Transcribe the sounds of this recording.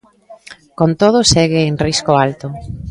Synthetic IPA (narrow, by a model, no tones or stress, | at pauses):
kont̪oð̞ʊsɛɣɪeŋriskoalt̪ʊ